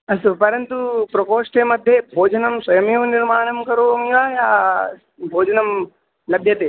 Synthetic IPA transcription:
ɐsopɐɾɐnt̪upɾɐkoːʃʈemɐd̪ʱːjebʱoːd͡ʒɐnɐmswɐjɐmjɐʋnɪɾmaːnɐmkɐɾoːɐmiɡaːjaː | bʱoːd͡ʒɐnɐm | lɐbʱjɐt̪eː

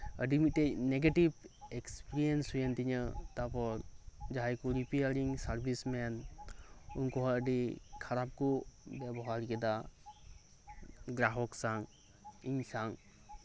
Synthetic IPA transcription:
əɖimit̪̚teneɡeʈibekspiɾijensujənt̪iɲət̪apɔɾd͡ʒaɦajkuɾipiaɾiŋsaɾbʱismɛn | unkɔɦɔəɖikʰaɾap̚kɔbabɔɦaɾikɛd̪a | ɡɾaɦɔksaŋ | iɲsaŋ

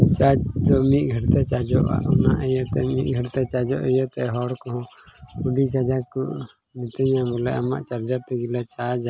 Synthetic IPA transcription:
t͡ʃad͡ʒd̪ɔmit̪̚ɡʱəɽt̪ɛt͡ʃad͡ʒɔʔa̰ʔɔnaʔɛjɔt̪ɛmit̪̚ɡʱəɽt̪ɛt͡ʃad͡ʒɔʔɛjɔt̪ɛɦɔɽkɔɦɔ̃uɖit͡ʃad͡ʒakuʔ | nit̪əɲabɔlɛʔamaʔt͡ʃaɾd͡ʒaɾt̪ɛɡilɛt͡ʃad͡ʒa

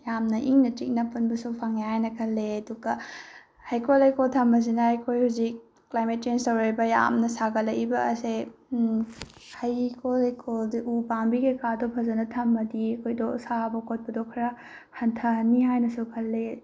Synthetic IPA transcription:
jamnɐʔiŋnɐtik̚nɐpunbɐsupʰaŋehajnɐkʰɐlːeɐduɡɐ | hajkʰolɐjkoltʰɐmbɐs̬inɐhajkʰojhuzik̚ː | lajmet̚t͡ʃenstɐwɾajbɐja̰mnɐsaɡɐlɐibɐːse | hɐjkʰolhajkʰoldiʔupambiɡekadɔpʰɐzɐnɐtʰɐmːɐdiɐkʰojdɔsabɐkot̚pɐdɔkʰɾɐ | hɐntʰɐniɦajnɐsukʰɐlːe

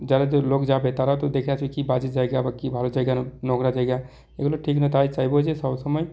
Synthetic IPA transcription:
d͡ʒalad͡ʒolokd͡ʒabet̪aɾat̪ɔd̪ekʰjat͡ʃʰuikibad͡ʒisd͡ʒaɛɡabakibʱalod͡ʒaɡjanɔkɾad͡ʒaɛɡa | ekloʈʰiknət̪ait͡ʃaɦibeɦod͡ʒʰesəbsəməj

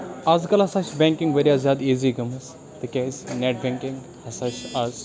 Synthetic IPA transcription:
aːzkɐlɐsaʃbɛ̃ːŋkɪ̃ŋɡʋeɾijaːzjaːd̪eːziːɡɐmɐs | t̪ɐkʲesneʈ̚bɛ̃ːŋkɪ̃ŋɡ | hɐsaʃaz

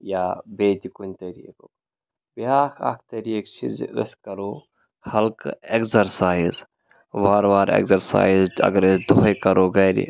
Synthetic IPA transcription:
jaːbeːt̪ikunt̪ɐɾḭkok | biaːkʰa̰k̚ʰt̪ɐɾikt͡ʃʰḭzə̰skɐɾo | hɐlkekzɐɾsaːjiz | ʋaɾʋaːɾḛkzɐɾsa̰ːizɐ̰ɡɐɾesd̪oɦəjkɐɾoːɡɐɾḭ

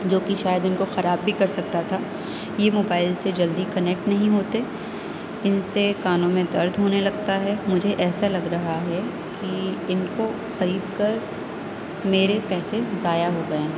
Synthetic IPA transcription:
d͡ʒoːkiʃaːjəd̪ʊnkoxɐɾaːbːʱikɐɾsɐk̚t̪at̪ʰaː | jemoːbaːɪlsed͡ʒɐld̪ikɐnɛk̚ʈnɐɦĩɦoːt̪e | ɪnsekaːnõmẽd̪ɐɾd̪ʱɦoːnelɐɡt̪aɦɛmʊd͡ʒʱeʔɛːsalɐɡɾɐɦaɦɛ | kiɪnko | xɐɾiːd̪kɐɾ | meːɾepɛːsezaːjaɦoɡɐẽː

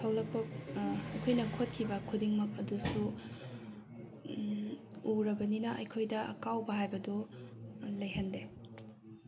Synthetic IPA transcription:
pʰawlɐk̚pɐɐjkʰojnɐkʰot̚kʰibɐkʰudiŋmɐk̚ɐdusu | uɾɐbɐninɐʔɐ̰jkʰojdɐɐ̰kawbɐɦajbɐdu | lɐjɦɐnde

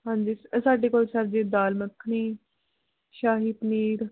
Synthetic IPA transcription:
ɦãːɲd͡ʒiːsaːɖeːkoːlsaɾd͡ʒeːd̪aːlməkʰːniː | ʃaːɦiːpniːɾ

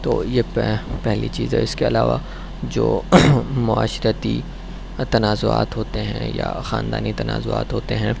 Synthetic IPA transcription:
t̪oːjeppɛɦlit͡ʃiːzɦɛ̰ɪskeɐlaːʋa | d͡ʒoːmʊaːʃɾət̪i | t̪ɐnaːzʊa̰ːt̪ɦoːt̪eɦɛ̰̃jaxaːnd̪aːnit̪ɐna̰ːzoa̰ːt̪ɦoːt̪eɦɛ̃ː

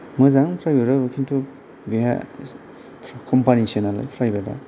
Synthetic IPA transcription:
mɯzaŋpʰɾajbeɾɯbɯkʰintʰu | deɦa̰ | kʰɔmpanisenalɯ̰pʰɾajbeda̰

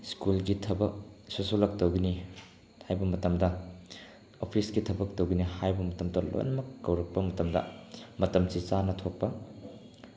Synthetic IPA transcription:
skulɡitʰɐbɐk̚susulɐk̚tɐwɡini | hajbɐmɐtɐmdɐ | opʰisɡitʰɐbɐk̚tɐwɡinihajbɐmɐtɐmdɐlo̰jnɐmɐkːɐwɾɐk̚pɐmɐtɐmdɐ̰mɐtɐmsisanɐtʰok̚pːɐ

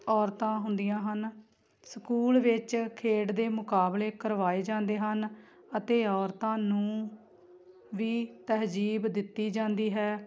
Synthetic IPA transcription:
ɔːɾt̪ãːɦʊnd̪ijãːɦən | səkuːlʋɪt͡ʃkʰeːɽd̪eːmʊkaːbleːkəɾʋaːeːd͡ʒãːnd̪eːɦən | ət̪eːɔːɾt̪ãːnũː | ʋiːt̪əɦd͡ʒiːbd̪ɪt̪ːiːd͡ʒãːnd̪iːɦɛː

